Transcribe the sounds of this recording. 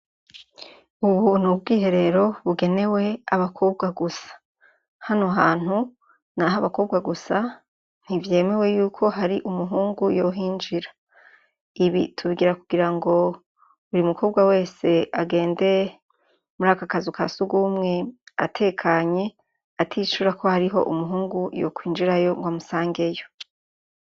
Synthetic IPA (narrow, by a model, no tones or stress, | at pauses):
uβunubɡiːɦe̞ɾe̞ɾo̞βuɡe̞ne̞we̞aβakʰo̞bɡaɡusḁ | hanoɦaːn̥hu | naɦaβako̞ːbɡaɡusa | n̥ivje̞ːme̞we̞juːkʰo̞ɦaɾiʔumuɦuːŋɡujo̞ɦind͡ʒiɾḁ | iβḭtʰuβiɡiɾakuɡiɾaŋɡo̞ | uɾimukʰo̞ːbɡwawe̞ːse̞ʔaɡe̞ːnde̞ | umuɾaːkakazukʰasuɡumŋe̞atʰe̞ːkʰaɲe̞ | atʰiːʃuɾako̞haɾiɦo̞̰ʔṵmuɦuːŋɡujo̰kwiːnd͡ʒiɾajo̞ŋɡwamusaːŋɡe̞jo̞